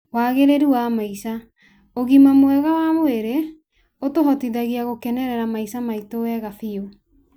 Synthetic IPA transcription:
waːɣeɾeɾiwamaisa | oɣimamoɛɣawamoeɾe | otoɦɔtiðaɣiaɣokɛnɛɾɛɾamaisamaitowɛɣafiɔ

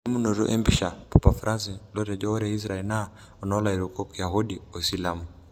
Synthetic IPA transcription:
imunɔɾṵʔɛmbiʃapɔpafuɾazilɔtɛd͡ʒɔɔɾɛis̬ɾaɛlna | ɔnɔlaiɾukɔkijaɦuɗiɔsilamu

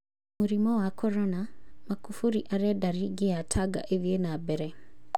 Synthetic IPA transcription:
muɾimowakoɾonamakufuɾiʔaɾedaɾiɡeatʰaɡa̰ʔeβjenabeɾe

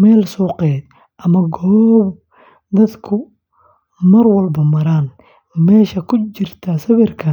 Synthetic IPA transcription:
mɛːlsɔːqɛːd̪ | ʔɐmɐɡɔːb | d̪ɐd̪kʰʊ | mɐrwɐlbɐmɐɾaːn | mɛːʃɐkʰʊt͡ʃɪrt̪ʰɐsɐβɛrkʰɐ

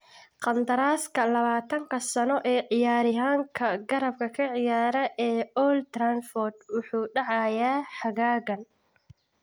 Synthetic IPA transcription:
qɑnd̪ɐɾaːskʰɐlɐβaːt̪ʰɐŋkʰɐsɐnɔʔɛːʕɪjaːɾɪɦaːŋkʰɐɡɐɾɐb̚kʰɐkʰɐʕɪjaːɾɐʔɛːɔlt̪ɾanfɔrd̪wʊħuːɖɑʕɑjaːħɑɣaːɣɐn

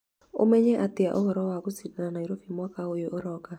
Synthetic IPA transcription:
o̰mɛɲɛʔatɪa̰ʔɔhɔɾɔwakositananaiɾofimwakaojoʔoɾɔka

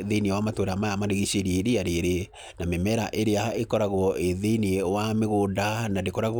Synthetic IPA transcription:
ðeniewamatwoɾaamajamadeɣiɕeɾieɾeaɾeɾe | namemɛɾaʔeɾeaekɔɾaɣwɔeðeniewameɣodanadekɔɾaɣ

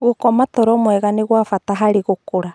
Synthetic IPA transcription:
ɣokɔmatɔɾɔmwɛɣaneɣwafataɦaɾeɣokoɾa

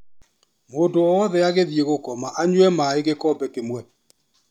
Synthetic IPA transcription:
moːndoɔwɔðɛaɣeðieɣokɔmaʔaɲwɛmaeɣekɔːbɛkemwɛ

